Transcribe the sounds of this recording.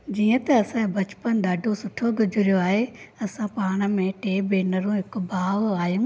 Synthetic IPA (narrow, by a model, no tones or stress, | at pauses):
d͡ʑiːə̃t̪ɐɐsãbɐt͡ɕpənd̪aːɖʱosʊʈʰoɡʱʊd͡ʑʱɪɾijoaːɦeɐsãpaːɽ̃ə̆mẽʈeːbeːnəɾũɦɪkʊbaːʋaːijũː